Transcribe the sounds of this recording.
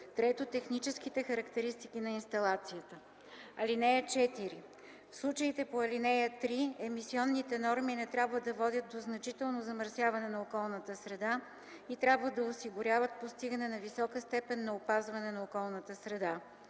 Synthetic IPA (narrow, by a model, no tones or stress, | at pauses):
t̪ɾɛt̪ot̪ɛxnit͡ʃɛsk̟it̪ɛxɐɾəkt̪ɛɾist̪ik̟inɐinst̪ɐlˠat̪sijət̪ə | ɐlinɛjət͡ʃɛt̪iɾi | fslˠut͡ʃəit̪ɛpoɐlinɛjət̪ɾiɛmisiɔnːit̪ɛnɔɾminɛt̪ɾʲabvəd̪ɐvɔd̪ʲət̪̚d̪oznɐt͡ʃit̪ɛlˠnozɐməɾsʲjavɐnɛnɐokɔlˠnət̪əsɾɛd̪a | it̪ɾʲabvəd̪ɐosiɡʊɾʲjavət̪̚post̪iɡənɛnɐvisɔkəst̪ɛpɛnːɐopazvɐnɛnɐokɔlˠnət̪əsɾɛd̪a